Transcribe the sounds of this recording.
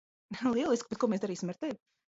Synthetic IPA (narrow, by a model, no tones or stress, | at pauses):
lˠiɛlˠisk̚pet̪kuɔmeːsd̪aɾiːsʲimaɾt̪ɛvʲ